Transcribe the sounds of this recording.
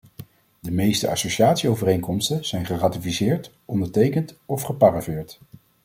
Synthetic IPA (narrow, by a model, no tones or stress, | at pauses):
dəmejstəɑ̰soʃiaːtsiowvərejŋkɔmstənz̥ɛjnχəratifisɪːɹt | ʔɔndəɹtejkəntɔfχəpaːravɪːɹt